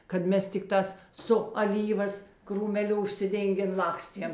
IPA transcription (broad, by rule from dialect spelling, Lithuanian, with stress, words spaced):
kɐt ˈmʲɛs tʲɪkˈtɑːs sʊ ɐˈlʲiːʋɐs kruːmʲɛˈlʲʊ ʊʃʲsʲɪˈdʲeːŋʲɡʲeːn ˈlˠɑːksʲtʲiɛm